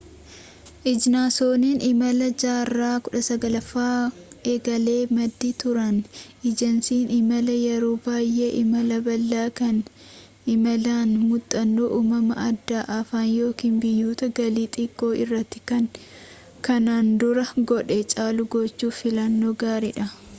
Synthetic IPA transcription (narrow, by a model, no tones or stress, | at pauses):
ʔɪd͡ʒnaːso̞ːninɪmɐlɐd͡ʒaːrːaːkʊᶑɐsɐɡɐlɐfaːʔeːɡɐle̞ːmɐd̪ːit̪ʊɾɐnɪd͡ʒɐnsiːnɪmɐlɐjɛɾoːbaːjːeːʔɪmɐlɐbɐlːaːkɐn | ɪmɐlaːnmʊt̪ʼːɐnːoːʔuːmɐmɐʔɐd̪ːaːʔɐfaːnjo̞ːkiːnbɪjːuːt̪ɐɡɐliːt̪ʼɪkʼːo̞ːɪrːɐt̪ːɪ̥kɐŋ | kɐnaːnd̪ʊɾɐɡɔᶑeːt͡ʃʼaːlʊɡɔt͡ʃːuːfɪlɐnːo̞ːɡaːɾḭᶑɐ